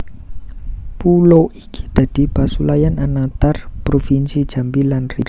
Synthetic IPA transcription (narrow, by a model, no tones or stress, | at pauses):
puloʔiɡ̥i̥d̪̥a̤d̥i̤pasulajananat̪arpɾofinsid̥d͡ʒ̥a̤mbilanriɾ